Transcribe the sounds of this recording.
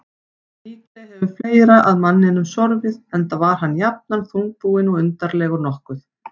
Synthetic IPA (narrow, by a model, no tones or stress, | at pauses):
iːplɛɛvʏ̥fleːjɾaʔaðmanːɪnʏmsɔɾvɪðɛnt̪avaɾ̥ɦanːjap̚nanθuŋk̚puːɪnɔɣʏnt̪aɾlɛːɣʏɾnɔhkʏθ